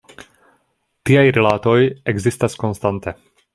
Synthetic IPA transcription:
t̪iajɾɛlaːt̪ojɛɡzist̪askonst̪ant̪e

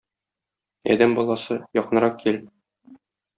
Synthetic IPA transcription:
ɒ̰d̪æmbɒlˠɑsɤjɒqɤ̆nɤɾɑqkil

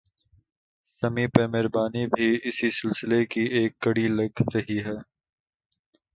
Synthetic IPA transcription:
sɐmipeːmɪɾbaːnibʱiɪsisɪlsɪlekieːkːɐɽilɐɡɾɐɦiɦɛː

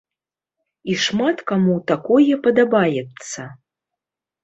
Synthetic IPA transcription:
iʂmat̪kamut̪akɔjɛpɐd̪abajɛt̪sːɐ

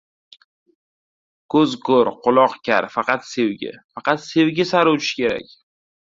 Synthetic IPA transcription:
kʰɵzkʰoɾqʰʊlˠɒqkʲʰa̰ɾfɑqɑt̪se̞wɡʲɪ̰fɑqɑt̪se̞wɡʲɪsaɾuwt͡ʃʰɪ̥kʲe̞ɾa̰kʲ

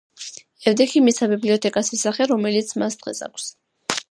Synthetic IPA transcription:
ɛvd̪ɛkʰimisabibliɔt̪ʰɛkʼasɛsaχɛɾɔmɛlit̪sʰmasd̪̥ʁɛ̰sa̰kʰs

